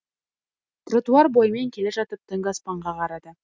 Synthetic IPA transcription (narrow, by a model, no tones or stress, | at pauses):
t̪rot̪uɑrbojmeŋkʲʰe̞leʒɑt̪əp̚t̪ʰəŋɡɑspɑɴʁɑqʰɑɾɑd̪ə